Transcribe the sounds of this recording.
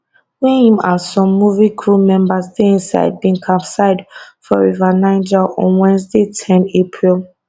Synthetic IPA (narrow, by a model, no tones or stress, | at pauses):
wĩĩmasɔ̃mːuvikʰɹumɛ̃mbasdeĩnsa̰ɪd̚bĩŋkʰapsaɪdfɔɹivanãɪnd͡ʒaʔɔ̰̃nwɛ̃nzdetʰɛ̃nepʰɹilˠ